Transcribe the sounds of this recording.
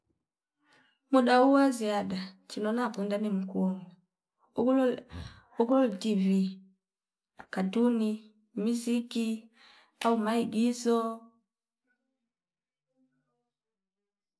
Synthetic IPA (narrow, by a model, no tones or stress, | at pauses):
muɗauwaziaɗat͡ʃinɔnakwɛndanimukuɔŋu | ul | ukulɔltivi | akaduni | miziki | aumaiɡizɔ